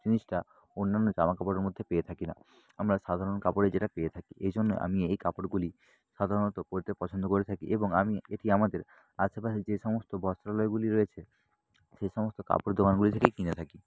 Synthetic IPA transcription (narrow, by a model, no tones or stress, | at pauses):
t͡ɕiniʃʈa | onːanːod͡ʑamakapoɽeɾmod̪ʱːepeet̪ʰakina̰ | amɾaʃad̪ʱaɾonkapoɽed͡ʑeʈapeet̪ʰakiʔejd͡ʑonːḛʔa̰miejkapoɽɡuli | ʃad̪ʱaɾonot̪okoɾit̪epɔt͡ɕʰond̪okoɾet̪ʰakiʔeboŋamieʈiamad̪eɾ | aʃepaʃid͡ʑeʃɔmost̪obʱɔst̪ɾalɔeɡuliɾɔet͡ɕʰe | ʃejʃɔmost̪oka̰poɽd̪ʱokanɡulit̪ʰekekinet̪ʰaki